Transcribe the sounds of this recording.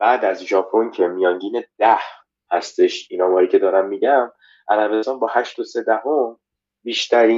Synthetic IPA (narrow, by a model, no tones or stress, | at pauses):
bæːd̪æzʒɒːpʰo̞ncʰe̞mijɒːŋɟiːned̪̥æh | hæst̪e̞ʃiːnɒːmɒːɾiːcʰe̞d̪ɒːɾæmːiɟæm | ʔæɾæbe̞st̪ɒːnbɒːɦæʃt̪ʰosed̪æɦom | biːʃt̪æɾiː